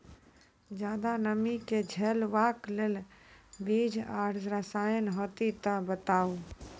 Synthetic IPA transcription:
d͡ʒjaːd̪anəmiked͡ʒʱɛlʋakleːlbid͡ʒʱaːɾd͡ʒɾəsajənɦot̪it̪əbət̪aːu

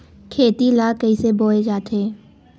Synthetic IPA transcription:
kʰeːt̪ilaːkəiseboːed͡ʒaːt̪ʰeː

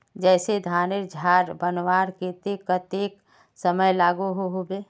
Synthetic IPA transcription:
d͡ʒɛːsed̪ʱaːneɾd͡ʒʱaːɾbənwaːɾket̪ekət̪eːk | səməjlaːɡuɦoɦobeː

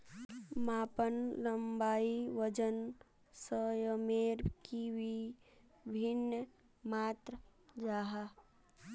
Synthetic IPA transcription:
maːpənləmbaːiʋəd͡ʒən | səjəmeːɾkiwi | bʱɪnːə | maːt̪ɾəd͡ʒaːɦa

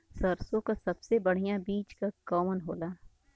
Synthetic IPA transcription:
sɐɾsõkasɐbsebɐɽ̤ijãbiːt͡ʃkakɔːmənɦoːlaː

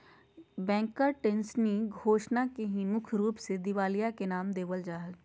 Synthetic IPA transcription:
bɛ̃ːŋkəɾʈẽnsniɡʱoːʃnakeɦĩmʊkʰɾuːpsed̪ɪʋaːlijakenaːmd̪eːʋəld͡ʒaːɦəz

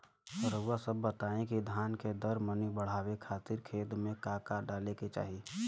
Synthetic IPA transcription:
səɾəɡwasəbːət̪aːẽkid̪ʱjaːnked̪əɾmənibəɽ̤aːwekʰaːt̪ɪɾkʰeːd̪mẽkaːkaɖaːleket͡ʃa̰ːɦi

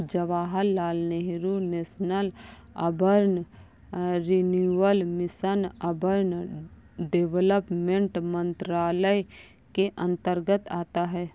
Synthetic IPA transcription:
d͡ʒəʋaːɦəlːaːlneɦɾuneːsnəl | ɐ̰bʱəɾn | ɾinjuəlmɪsənɐbʱəɾn | ɖeʋləpmẽɳʈmə̃nt̪ɾaːləj | keʔə̃nt̪əɾɡət̪aːt̪aɦɛː

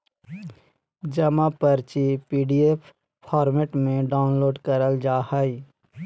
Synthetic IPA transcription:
d͡ʒɐmãpəɾt͡ʃipiːɖiep | pʰɔːɾmeʈmẽɖaːʊnloːɖkəɾəld͡ʒaːhai

